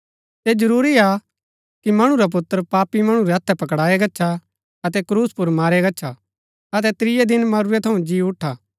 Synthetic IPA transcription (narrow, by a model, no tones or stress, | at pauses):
sed͡ʒɐɾuːɾia | kimɐɽ̃ũɾap̬ʊt̪ːəɾpaːpːimɐɽ̃ũɾɛɐt̪ʰːɛpɐkɽaːɛɡɐːt͡ʃʰa | ɐt̪ɛkɾuːspʊɾmaːɾɛɡɐːt͡ʃʰa | ɐt̪̬ɛt̪ɾɪjɛd̪ɪnmɐɾuɾɛt̪ʰɐũd͡ʒiːʊʈʰaː